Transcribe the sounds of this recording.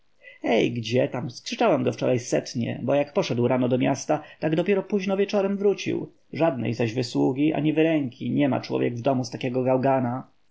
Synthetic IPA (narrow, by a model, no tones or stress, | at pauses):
ɛjɡd͡ʑɛt̪amskʂɘt͡ʂawɛmɡɔft͡ʂɔ̰ɾajsɛt̪ɲɛ̰bɔjakpɔʂɛd̪wɾanɔd̪ɔmʲjast̪at̪aɡd̪ɔpʲjɛɾɔpuʑnɔvʲjɛt͡ʂɔɾɛmvɾut͡ɕḭw | ʐad̪nɛ̰jzaʑvɘswuɡʲiʔa̰ɲivɘɾɛŋkʲʰiɲɛma̰t͡ʂwɔ̰vjɛ̰ɡvd̪ɔmust̪akʲɛɡɔɡawɡana